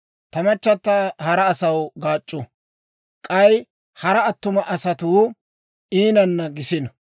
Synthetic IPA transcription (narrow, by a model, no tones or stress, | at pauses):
t̪ɐmɐt͡ʃːɐt̪ːɐhɐɾɐːsɐwɡaːt͡ʃʼːʊ | kʼɐj | hɐɾɐːt̪ːʊmɐʔɐsɐt̪uː | iːnɐnːɐɡɪsɪnɐ